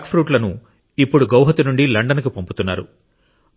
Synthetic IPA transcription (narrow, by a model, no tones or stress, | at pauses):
kpʰɾuːʈlɐnu | ipːuɽuɡɐwɦɐt̪inuɳɖilɐɳɖɐnɐkupomput̪unːa̰ːɾṵ